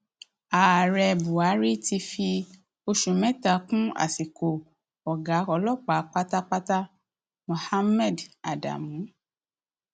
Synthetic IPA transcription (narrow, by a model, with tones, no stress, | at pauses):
a˨ɾɛ˧bu˨a˨˦ɾi˦ti˧fi˧ | o˧ʃũ˨mɛ˦ta˧˦kũ˦a̰˦˨si˨ko˨ | ɔ˨ɡa˨˦kɔ˧lɔ˦k͡pa˨˦k͡pa˦ta˦k͡pa˦ta˦ | mũ˨ha˦mɛ˦˨da˨da̰˨mũ˨˦